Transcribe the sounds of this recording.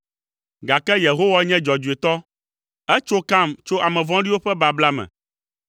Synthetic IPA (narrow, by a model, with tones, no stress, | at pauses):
ɡa˨kɛ˦je˨ɦo˦wa˦ɲɛ̃˦d͡ʒɔ˨d͡ʒu˨e˨t̪ɔ˦ | ɛ˦t͡ʃo˦kã˦˨mt͡ʃo˦ʔa˨mɛ̃˨vɔ̃˦ɖi˦wo˦ɸɛ˦ba˨bla˦mɛ̰̃˨